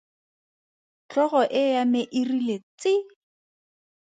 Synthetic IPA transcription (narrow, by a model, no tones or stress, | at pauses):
t͡ɬɔɣɔʔɪjamɪʔɪrilet͡sɪ